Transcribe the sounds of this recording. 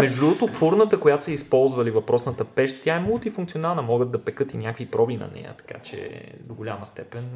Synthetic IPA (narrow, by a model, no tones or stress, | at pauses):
mɛʒd̪ut̪ofoɾnət̪əkojat̪ʊ̥sɛispɔlˠzvɐlivɐpɾɔsnət̪əpɛʃt̪t̪ʲjaɛmulˠt̪ifuŋkt̪sionalˠnəmɔɡəd̪̚d̪ɐpɛkɤt̪inʲakvipɾɔbinɐ̰nɛ̰jə̰t̪ɐ̥ka̰t͡ʃɛ̰d̪oɡʊlʲaməst̪ɛpɛn